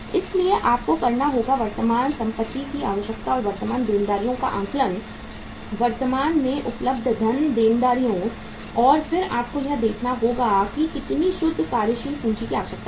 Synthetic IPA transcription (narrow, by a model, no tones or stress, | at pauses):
ɪslieʔaːp̚kokɐɾnaɦoːɡaʋɐɾt̪əmaːnsɐ̃mpət̪ːikiaːʋəʃjəkt̪aɔːɾʋɐɾt̪əmaːnd̪eːnd̪aːɾijõka̰ʔãːŋklən | ʋɐɾt̪əmaːnmẽʔʊpləb̚d̪ʱd̪ʱɐnd̪eːnd̪aːɾijõ | ɔːɾfɪɾaːp̚kojɐd̪eːkʰnaɦoːɡakikɪt̪niʃʊd̪ʱːkaːɾjəʃiːlpũːt͡ʃikiaːʋəʃək̚t̪a